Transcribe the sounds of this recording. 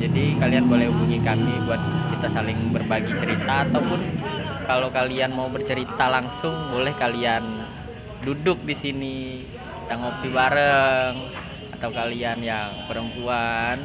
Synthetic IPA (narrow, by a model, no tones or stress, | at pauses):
d͡ʒadikalianbolɛhupuŋikamibuat̪̚kit̪asalɪŋbərbaɡit͡ʃəɾit̪aːt̪awpʊnkalokalianmaubərt͡ʃəɾit̪alaŋsʊŋbolɛhkalian | dudʊk̚disini | daŋop̚t̪ibaɾəŋ | at̪awkalianjaŋpəɾəmpuan